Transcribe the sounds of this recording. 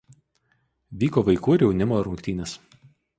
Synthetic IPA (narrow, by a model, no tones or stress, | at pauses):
ʋʲiːkoːʋɐɪkuːɪɾʲjɛʊnʲɪmoːɪɾʊŋʲkʲt̪ʲiːnʲɛs